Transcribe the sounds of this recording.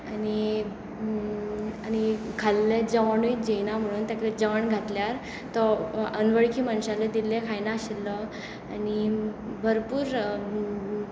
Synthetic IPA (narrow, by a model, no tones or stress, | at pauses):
ani | añikʰalːed͡zəʋaɳuit̪d͡ʑejnam̤əɽ̃uːnt̪jakɾed͡zəʋəɳɡʱat̪ljaɾ | t̪ɔənʋəɭkʰiːmənɕaled̪ilːẽkʰajnaɕelːə | anibʱəɾpuːɾ